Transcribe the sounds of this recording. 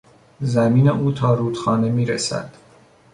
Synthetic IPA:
zæmiːneʔuːt̪ʰɒːɾuːd̪xɒːnemiːɾesæ̰d̪̥

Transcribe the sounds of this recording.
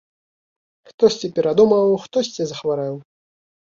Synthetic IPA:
xt̪ɔsʲt͡sʲipʲɛɾad̪umɐwxt̪ɔsʲt͡sʲɛzɐxvaɾɛw

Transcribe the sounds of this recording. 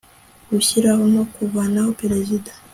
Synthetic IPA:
ɡuçiɾahono̞kuvanahopeɾezidḁ

